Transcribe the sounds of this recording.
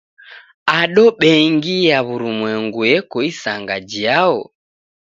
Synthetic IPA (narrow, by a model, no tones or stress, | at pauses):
aɗɔɓɛŋɡijaβuɾumwɛŋɡujɛkɔisaŋɡad͡ʒiaɔ